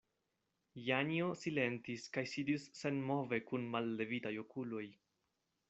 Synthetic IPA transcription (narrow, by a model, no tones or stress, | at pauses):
janio̞sile̞ntiskajsidisːe̞nmo̞ve̞kunmalːe̞vitajo̞kulo̞j